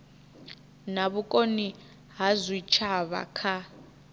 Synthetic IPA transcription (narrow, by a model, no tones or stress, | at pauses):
naβukʼoni | ɦazʷit͡ʃʰaβa̰kʰa